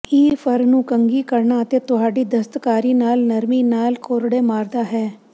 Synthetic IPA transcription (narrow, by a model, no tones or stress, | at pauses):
kiːfʰəɾnũːkəŋɡiːkəɾɳaːət̪eːt̪ʊɦaːɖiːd̪əst̪kaːɾiːnaːlnəɾmiːnaːlkoːɾɽeːmaːɾd̪aːɦɛː